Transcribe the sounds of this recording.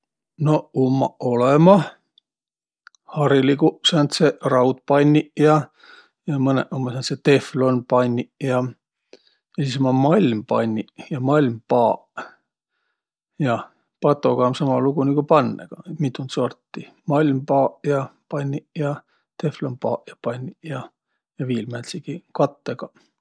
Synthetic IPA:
no̞umːɑ̰ʔolemɑ | hɑɾiliɡuʔsɑnt̪serɑwt̪̚pɑnʲːiʔjɑ | jɑmɤnḛʔumːɑsɑnt̪set̪e̞flo̞npɑnʲːiʔjɑ | jɑsismɑmɑlʲmpɑnʲːiʔjɑmɑlʲmpɑːʔ | jɑ | pɑt̪ːˑo̞ɡ̥ɑmsɑmɑluɡ̥uniɡ̥upɑnːeɡ̥ɑmit̪ːˑunt̪so̞rt̪ːi | mɑlʲmpɑːʔjɑpɑnʲːiʔjɑ | t̪eflonpɑ̰ːʔjɑpɑnʲːijɑ | jɑviːlmælsiɡ̥ikɑt̪ːeɡ̥ɑ

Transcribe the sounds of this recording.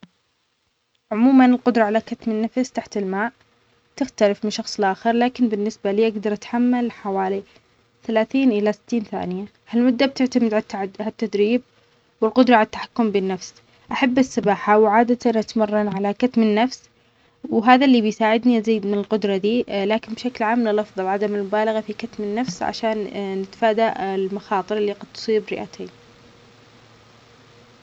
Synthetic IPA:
ʕʊmuːmanɪlqʊd̪ɾˤɑʕalakat̪mɪnːafst̪aħt̪ɪlmaːʕ | t̪ɪxt̪alɪfmɪnʃɑxsˤɪlʔaːxɪɾˤlaːkɪnbɪnːɪsbaliːʔaɡd̪ɑɾˤʔat̪ħamːalħawaːli | θalaːθiːnʔɪlasɪ̥t̪ːiːnθa̰ːnɪja | halmʊd̪ːab̚t̪ɪʕt̪amɪd̪ʕaʕat̪ːad̪ɾiːb̚ | wɪlqʊd̪ɾˤɑʕalat̪ːḁħḁkːʊmbɪnːafs | ʔaħabːɪsːɑbaːħawʕaːd̪at̪anʔat̪mɑrˤːɑnʕalakat̪mɪnːafs | wɦaːðalːiːbɪjsaːʕɪd̪niʔaziːd̪mɪnɪlqʊd̪ɾˤɑd̪iːlaːkɪnbʃaklʕaːmːnɪlɑfðˤɑlʕad̪amɪlmʊbaːlaɣafikat̪mɪnːafsʕa̰ʃaːnːɪt̪ḁfaːd̪aʔɪlmaxɑːt̪ˤɨɾʔɪlːiqɑd̪̚t̪sˤiːbɾɪ̰ʔa̰t̪ʰeːn

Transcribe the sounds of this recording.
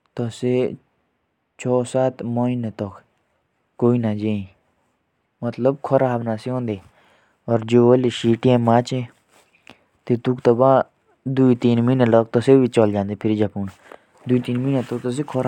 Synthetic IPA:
t̪ɔse | t͡ʃʰɔːsaːt̪moinet̪ɔk | koːinad͡ʒeːĩ | mət̪ləb̚kʰɔɾaːbnaːseɦõːnd̪eː | ɔːɾd͡ʒoːəleʃiːʈijãmaːt͡ʃẽː | t̪et̪ukt̪ɔbã | d̪uit̪iːnmiːnelɔk̚t̪ɔsebit͡ʃɔld͡ʒãːnd̪epʰɪɾd͡ʒɐpuːn | d̪uit̪iːnmiːnet̪ɔk̚t̪ɔs̬ekʰɔɾ

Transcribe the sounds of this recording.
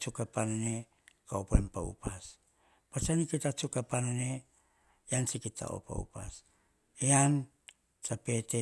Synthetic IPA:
t͡ʃukapanane̞ | kaopoempa̰ṵpas | pat͡ʃanikitat͡ʃukapanane̞ | jansikitʰa̰o̰pa̰ṵpa̰s | ean | t͡ʃape̞te

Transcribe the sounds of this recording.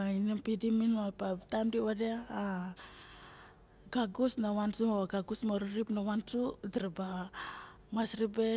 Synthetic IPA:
inempidiminapatamdiwadeaː | ɡaɡusnawansuoɡaɡusmoɾiɾipnawansudiɾeba | masɾibe

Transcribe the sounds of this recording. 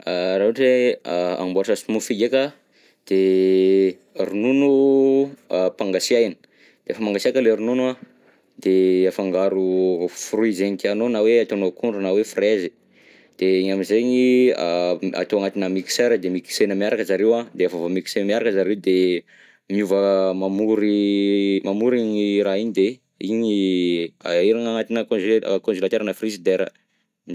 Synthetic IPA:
aɾaɦuʈ͡ʂea̰mboɾsasumufiɡekʲə | d̪̥e | rununu | paŋɡasiajnə̥ | d̪̥eefamaŋɡasiakəleɾununa | d̪̥eafaŋɡaɾufuruizeɲik̪anonaweat̪onokuɳɖ͡ʐunawefrezi | d̪̥eiɲamizeɲiaa̰t̪oaŋat̪inamiki̥seɾəd̪emiki̥senəmiaɾakəzaɾewad̪eafavamiki̥senmiaɾakəzaɾewd̪e | miuvəmamuɾi | mamuɾiɲiɾaiɲid̪e | iɲi | a̰iɾaŋaŋat̪inakonzkõnzulat̪eɾənəfrizid̪eɾə̰

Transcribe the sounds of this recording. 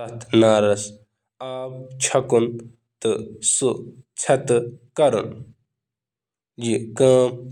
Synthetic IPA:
ɐt̪ʰnaːɾɐs | aːp̚t͡ʃʰɐkun | t̪ɨsut͡sʰɐt̪kɐɾṵn | d͡ʒikãːm

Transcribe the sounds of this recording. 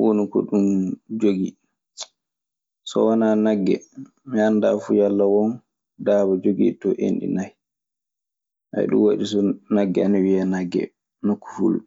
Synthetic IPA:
wonukɔ̰ɗund͡ʒoɡi | sɔ̰wanaːnaɡːɛ̰ | miandaːfujalːawɔn | daːbad͡ʒoɡḭtɔʔḛnɗḭnaj | ʔa̰j̰ɗṵmwaɗisɔnaɡːɛanawianaɡːɛ̰ | nakːu̥fṵl

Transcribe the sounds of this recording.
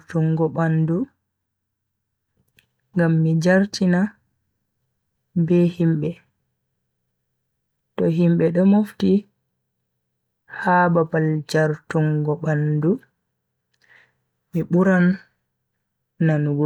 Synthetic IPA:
tuŋɡɔɓandu | ŋɡamːid͡ʒaɾtʰina | bɛhimbɛ | tɔɦimɓɛɗɔmofti | haːbabald͡ʒaɾtuŋɡɔbandu | miɓuɾan | anuɡ

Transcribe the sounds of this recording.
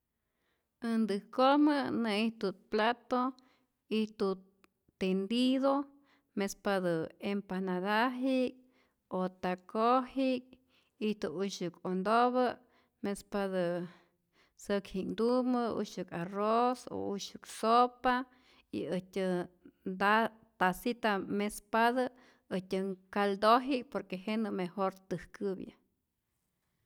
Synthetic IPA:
ɨnd̪ɨkoməneiht̪ut̪̚plat̪o | iht̪u | t̪end̪iðo | mespad̪ɨempanadaɦik̚ | ot̪akohik̚ | iht̪uuʃɨkond̪oβə | mespad̪ɨ | səkhiknd̪umɨṵʃɨkaroso̰uʃɨksopa | ḭɨtʲɨd̪a | t̪asit̪amespaða | ətʲɨkald̪oɦik̚poɾkeɦenɨmehoɾt̪ɨhkɨbjɨ̰

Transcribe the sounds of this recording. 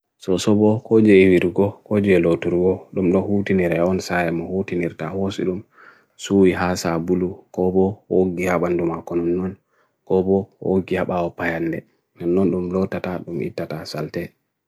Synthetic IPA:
sɔsɔbɔkod͡ʒɛwiɾɡɔkod͡ʒɛlotuɾɡɔɗumɗɔhutiniɾɛɔnsajɛmɔhutiniɾtahosḭɗum | suwiɦasabulukɔbɔoɡihaɓandumakɔnɔnːɔn | kɔbɔhoɡihaɓawɔpajandɛ | nanːɔnɗumlɔtːataɗumḭtːatasaltɛ

